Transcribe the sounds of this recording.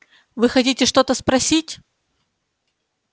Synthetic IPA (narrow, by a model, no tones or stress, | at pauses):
vɨxɐtʲitʲɪʂt̪o̞t̪əspɾɐsʲitʲ